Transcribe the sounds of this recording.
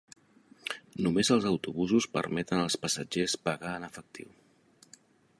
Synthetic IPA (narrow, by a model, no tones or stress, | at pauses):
numezəlˠzəwt̪uβuzuspə̰ɾmɛt̪ənəlˠspəsəd͡ʒespəɣaənəfək̚t̪ʰḭw